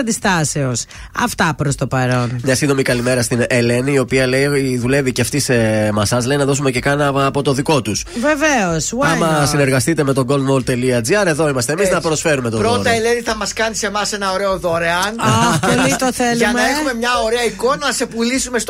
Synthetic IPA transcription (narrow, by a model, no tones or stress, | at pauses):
ɐnd̪ist̪ɐse̞os | ɐ̰ft̪ɐpɾost̪o̞pɐɾo̞nmɲɐsind̪o̞mikɐlime̞ɾɐst̪inele̞niːo̞piɐle̞iðule̞viceft̪isemɐsɐsle̞jnɐðo̞sume̞ce̞kɐnɐːpo̞t̪o̞ðiko̞t̪usve̞veoswɐmɐsine̞ɾɣɐst̪it̪eme̞t̪o̞ɡo̞ld̪molt̪e̞liɐd͡ziɐɾe̞ðo̞imɐst̪emiznɐpɾo̞sfe̞ɾume̞t̪opɾot̪ɐeleniθɐmɐskɐnise̞mɐsenɐoɾe̞oðoɾeɐnɐolit̪oθeluɐnmɐexume̞mɲɐoɾeɐiko̞nɐnɐse̞pulisume̞s